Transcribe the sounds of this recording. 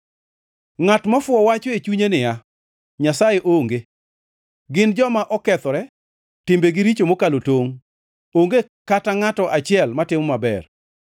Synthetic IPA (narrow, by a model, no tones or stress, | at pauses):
ŋatmafʊɔwat͡ʃɔet͡ʃuɲenɪja | ɲasajeʔoŋɡe | ɡɪnd͡ʒɔmaʔɔkɛt̪ɔɾɛ | tɪmbeɡɪɾit͡ʃomokalotoŋ | oŋɡe | kataŋatɔʔat͡ʃɪɛlmatɪmɔmabɛr